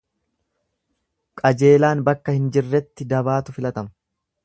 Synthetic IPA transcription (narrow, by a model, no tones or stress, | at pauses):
kʼɐd͡ʒe̞ːlaːnbɐkːɐhɪnd͡ʒɪrːɛt̪ːɪd̪ɐbaːt̪ʊfɪlɐt̪ɐmɐ